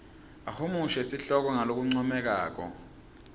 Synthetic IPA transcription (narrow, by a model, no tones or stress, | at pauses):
ahomuʃɛsiɬɔk̬ɔŋalok̬uŋ͡ǀɔmɛk̬a̰ːk̬ɔ̰